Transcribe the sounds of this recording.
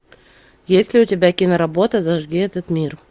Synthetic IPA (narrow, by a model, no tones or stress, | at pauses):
jesʲlʲɪʊtʲɪbʲækʲinəɾɐbo̞t̪əzɐʐɡʲiɛt̪ət̪mʲir